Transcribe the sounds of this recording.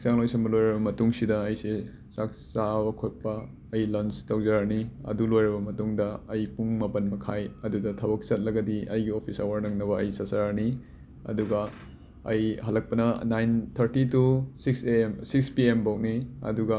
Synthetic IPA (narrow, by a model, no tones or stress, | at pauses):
ak̚saŋlojsɐnmbɐlojɾɐbɐmɐtuŋsidɐːjse | sak̚ | sabɐkʰot̚pɐː | jlɐnstɐwzɐɾaɾniɐ̰dulojɾɐbɐmɐtuŋdɐːjpuŋmɐpɐnmɐkʰajɐdudɐtʰɐbɐk̚t͡ʃɐt̚lɐɡɐdiʔɐ̰jɡiopʰisɐ̰wɐɾnɐŋnɐβɐɐjsɐsɐɾaɾni | ɐ̰duɡɐː | jhɐlːɐk̚pɐnɐnajnt̪ʰɐɾtitusiksemsik̚spiembowk̚niɐ̰duɡɐ